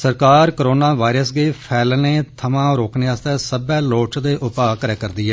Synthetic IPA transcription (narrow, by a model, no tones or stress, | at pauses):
səɾkaːɾkɾoːnaːʋaːiɾəsɡeːpʰɛːlneːt̪ʰəmãːɾoːkneːaːst̪ɛːsəbɛːloːt͡ʃd̪eːʔʊpaːkəɾɛːkəɾd̪iːɛː